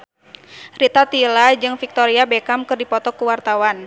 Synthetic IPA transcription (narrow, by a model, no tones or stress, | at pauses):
rit̪at̪ilad͡ʒɨŋfik̚t̪oɾiabekamkɨrdipɔt̪ɔkuwart̪awan